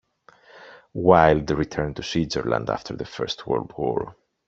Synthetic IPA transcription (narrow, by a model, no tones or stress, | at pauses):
waɪlˠdəɹitʰɜɹntusizəɹlə̰̃nda̰ftʰəɹðəfɜ̰ɹstʰwɔ̰ldwɔ̰ɹ